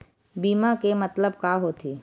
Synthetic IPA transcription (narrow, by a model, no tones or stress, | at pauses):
biːmãkemət̪ləb̚kaːɦot̪ʰiː